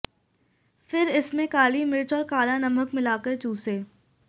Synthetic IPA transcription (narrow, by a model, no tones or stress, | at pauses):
fɪɾɪsmẽkaːlimɪɾt͡ʃɔːɾkaːlãnɐməkmɪlaːkəɾt͡ʃuːseː